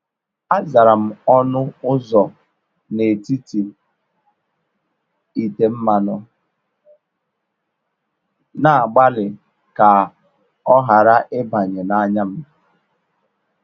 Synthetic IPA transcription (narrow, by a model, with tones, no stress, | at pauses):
a˦za˨ɾa˨m̩˦ɔ˦nʊ˦ʊ˦zɔ˨ | ne˨ti˦ti˨ | i˨te˨m̩˦ma˨nɔ˨ | na˨a˨ɡ͡ba˦lɪ˨ | ka˨ | ɔ˦ɦa˨ɾa˦ʔɪ˦ba˨ɲe˨na˦ɲa˦m̩˦˨